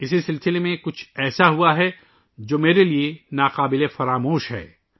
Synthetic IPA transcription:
ɪs̬isɪlsɪlemẽkʊt͡ʃʰɛːsaɦuaɦɛ | d͡ʒoːmeːɾelienaːqaːbɪlefɐɾaːmoːʃɦɛ̰ː

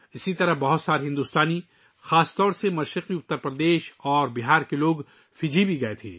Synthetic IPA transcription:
ɪsit̪ɐɾəɦbɐɦʊt̪saːɾɦɪ̃nd̪uːst̪aːni | xaːst̪ɔːɾsemɐʃɾɪqiʊt̪ːəɾpɾɐd̪eːʃɔːɾbɪɦaːɾkeloːɡ | fɪd͡ʒʱibʱiɡɐet̪ʰḛː

